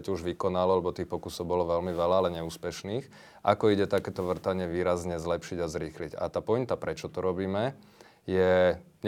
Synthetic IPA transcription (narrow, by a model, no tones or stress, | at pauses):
cuʒʋikɔnalɔalɛbɔt̪iːxpɔkusɔʊbɔlɔʋɛlmiʋɛlaːlɛɲɛuːspɛʃniːx | ʔakɔiɟɛt̪akɛːt̪ɔʋr̩t̪aɲɪɛʋiːɾazɲɛzlɛpʃiɟazɾiːxliɟa̰t̪aːpɔint̪apɾɛt͡ʃɔt̪ɔɾɔbiːmɛ | jɛ | ɲ